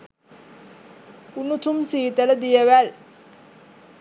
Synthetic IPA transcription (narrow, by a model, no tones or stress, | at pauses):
unut̪ʰumsiːt̪ələd̪ijɐʋæl